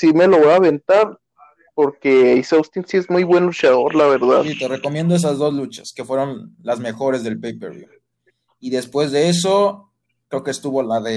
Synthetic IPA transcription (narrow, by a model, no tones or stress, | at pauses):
sime̞loβoaβe̞nt̪aɾ | po̞ɾke̞isawst̪insiezmujβwe̞nlut͡ʃaðo̞ɾlaβe̞ɾða̰ðsit̪e̞re̞ko̞mje̞nd̪oesazðo̞zlut͡ʃḁ̰ske̞fwe̞ɾo̞nlazme̞xo̞ɾe̞zðe̞lpejpeɾβjṵ | iðe̞spwe̞zðe̞e̞s̬o̞ | kɾe̞okest̪uβo̞laðe